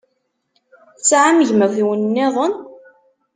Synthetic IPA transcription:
t͡sːʕaməʝməθiwənnːɪðˤən

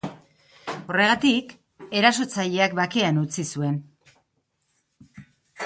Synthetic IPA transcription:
o̞re̞ɣ̞at̪ik | e̞ɾas̬o̞t͡saʎe̞ak̚bake̞anut͡sisue̞n

